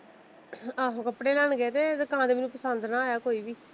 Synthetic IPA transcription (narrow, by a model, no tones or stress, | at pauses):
aːɦkəpɽeːlaːɳɡeːt̪eːdəkãːd̪eːmeːnũːpəsənd̪nãːɛːkoːiːbiː